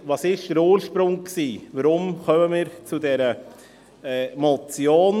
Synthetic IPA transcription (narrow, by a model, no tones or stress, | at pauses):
vɑsɪʃd̥əɾoːɾʃpɾʊŋksiːvəɾʊmkœməmiːɾt͡sudɛɾə | ɛːmɔt͡sjoːn